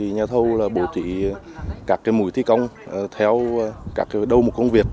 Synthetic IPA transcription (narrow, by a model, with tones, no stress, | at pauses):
i˨˩ɲaː˨˩t̪ʰə˧wlaː˨˩ɓo˧˩˦t̪wḭ˧˨ | kaː˦˥kːaː˨˦jmṵ˧˦jt̪ʰi˧˦kə˧wŋ͡mt̪ʰɛ˧wkaː˦˥k̚ːaː˨˦ɗə˧wmo˨˩t̚kə˧wŋ͡mvi˨˩ək̚